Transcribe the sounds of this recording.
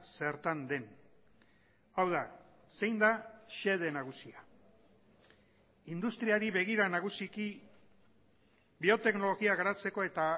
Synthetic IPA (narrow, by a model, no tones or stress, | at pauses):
se̞ɾt̪and̪e̞n | awða | se̞jnd̪aʃe̞ð̞e̞naɣ̞usia | ind̪ust̪ɾiaɾiβe̞ɣ̞iɾanaɣ̞usiki | bio̞t̪e̞kno̞lo̞ɣiaɣaɾat͡se̞ko̞e̞t̪a